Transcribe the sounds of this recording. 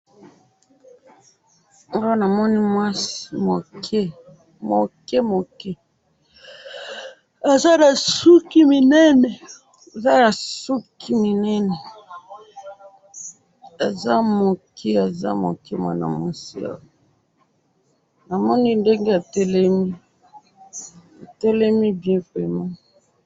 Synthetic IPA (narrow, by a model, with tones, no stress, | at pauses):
o˦na˨mɔ˦ni˦mwa˦smo˨kʰɛ˦ | mo˨kɛ˦mo˨kɛ˦ | a˨za˦na˨su˦ki˦mi˨nɛ˦nɛ˨ | a˨za˦na˨su˦kʰi˦mi˨nɛ˦nɛ˨ | a˨za˦mo˨kʰɛ˦a˨za̰˦mo̰˨kɛ˦ma̰˨na̰˨mo˨si˦a̰˨wɔ˨ | na˨mɔ˦ni˦nde˦ŋɡe˦a˨tɛ˦lɛ˦mi˦ | a˨tɛ˦lɛ˦mi˦bjɛ̃˦vʁɛ˨ma˦